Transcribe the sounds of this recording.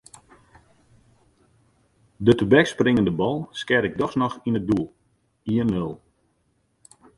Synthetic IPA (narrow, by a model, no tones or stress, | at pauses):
dətubɛksprɪŋəndəbɔlˠskɛɾɪɡ̚dɔxsnɔxinət̚dulˠ | iənmølˠ